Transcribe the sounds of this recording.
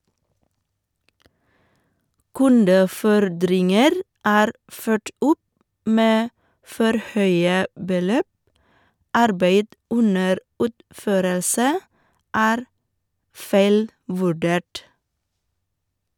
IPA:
ˈkʉndəˌfɔɾdɾɪŋəɾ ˈæːɾ ˈføːʈ ˈʔʊp ˈmeː ˈfɔɾ ˈhœʏə bəˈløːp ˈʔɑɾbeɪd ˈʔʊnəɾ ˈʉːtˌføːɾəlsə ˈæːɾ ˈfæɪlˌʋʉˌɖeːʈ

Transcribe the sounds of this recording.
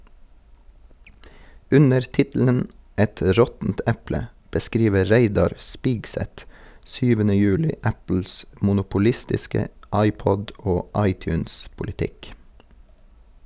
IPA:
ˈʉnəɹ ˈtɪtl̩ən ˈɛt ˈɾɔtn̩t ˈɛplə bəˈskɾiːʋə ˈɹeɪdɑɾ ˈspɪɡsɛt ˈsyːʋənə ˈjʉːlɪ ˈæpl̩s mʊnʊpʊˈlɪstɪskə ˈɑɪˌpɔd ˈoː ˈɑɪˌtjʉːnspʊlɪˌtɪk

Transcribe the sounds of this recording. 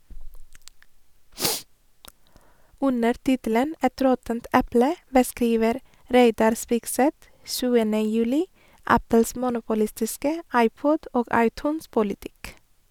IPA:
ˈʉnəɾ ˈtɪtl̩ən ˈɛt ˈɾɔtənt ˈɛplə bəˈskɾiːʋəɾ ˈɾeɪdɑɾ ˈspɪɡˌsɛt ˈsʉːənə ˈjʉːlɪ ˈæpəls ˈmuːnʊpʊˌlɪstɪskə ˈɑɪˌpɔd ˈoːɡ ˈɑɪˌtʉːnˌspʊlɪˌtɪk

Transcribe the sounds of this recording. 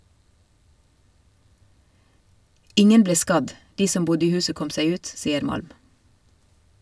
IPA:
ˈɪŋən ˈbleː ˈskɑd ˈdiː ˈsɔm ˈbʊdə ˈiː ˈhʉːsə ˈkɔm ˈsæɪ ˈʉːt ˈsiːəɾ ˈmɑlm

